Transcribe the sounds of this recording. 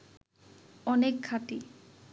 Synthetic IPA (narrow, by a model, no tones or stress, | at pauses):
ɔnekʰːat̪i